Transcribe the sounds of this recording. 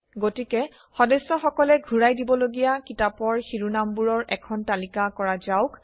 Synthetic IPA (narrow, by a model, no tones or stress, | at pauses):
ɡotikɛ | xɔdɛsːɔxɔkɔlɛɡʱuɹajdibɔloɡijakitapɔɹxiɹunambuɹɔɹʔɛkʰɔntalikakɔɹazaʊk